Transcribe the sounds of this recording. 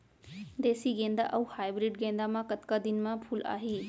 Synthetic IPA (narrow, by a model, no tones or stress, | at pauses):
d̪eːsiɡẽːnd̪a̰ʔɐwhaːjbɾiɖɡẽːnd̪amãkət̪kad̪inmãpʰula̰ːɦiː